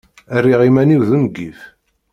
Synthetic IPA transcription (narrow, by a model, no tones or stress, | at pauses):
ærːiʁimæniwðəmɡːif